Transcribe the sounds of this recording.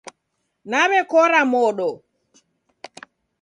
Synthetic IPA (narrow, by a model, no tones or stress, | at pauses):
naβɛkɔɾamɔɗɔ